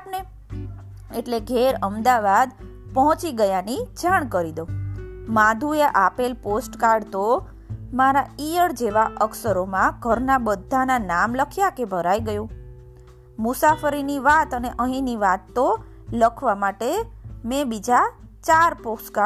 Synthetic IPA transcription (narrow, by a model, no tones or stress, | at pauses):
ne | eʈleɡʱeɾəmd̪aʋad̪ | pɔɦɔ̃t͡ʃiɡəjanid͡ʒaɳ̃kəɾid̪omãd̪ʱueʔapelposʈkaɾɖt̪o | maɾaijəɾd͡ʒeʋaʔəksəɾomãɡ̥ʱəɾnabəd̪ʱːananamləkʰjakebʱəɾaiɡəjũ | mʊsafəɾiniʋat̪əneʔəɦĩniʋat̪ːo | ləkʰʋamaʈemẽbid͡ʒat͡ʃaɾposʈka